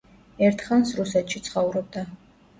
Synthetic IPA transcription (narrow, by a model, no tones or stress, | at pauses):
ɛɾt̪ʰχansɾusɛt̪ʰʃit̪sʰχɔuɾɔb̚d̪a